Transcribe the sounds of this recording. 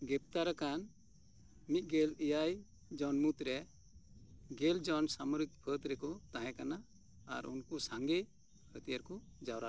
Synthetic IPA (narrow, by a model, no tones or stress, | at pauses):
ɡɛp̚t̪aɾakan | mit̪̚ˀɡɛlijaj | d͡ʒɔnmut̪ɾɛ | ɡɛld͡ʒɔnsamɔɾit̪̚pʰət̪ɾɛkɔt̪aɦɛ̃kanaː | ɾṵnkɔsaŋɡɛ | kʰət̪ijəɾkɔ | d͡ʒawɾa